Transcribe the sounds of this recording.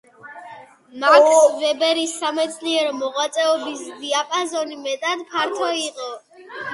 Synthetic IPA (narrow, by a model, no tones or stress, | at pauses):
masvɛbɛɾisːamɛt̪sʰliɛɾɔmɔʁwat̪sʼɛɔbisd̪iapʼazɔnimɛt̪ʼad̪pʰaɾt̪ʰɔiqʼɔ